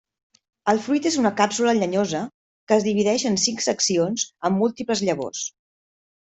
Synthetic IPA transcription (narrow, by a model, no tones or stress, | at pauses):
əlˠfɾujt̪ezunəkapsuləʎəɲozə | kəːzðiβ̞iðɛʃənsiŋksəksionzəmːulˠt̪ipləzʎəβo̰s